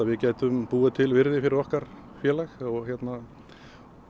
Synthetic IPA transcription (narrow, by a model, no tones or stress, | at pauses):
avɪcaːjt̪ʏmpuːɪt̪ʰɪlvɪɾðɪfɪɾɪɾɔhkaɾ̥ | fjɛːlaxɔɣçjɛt̪na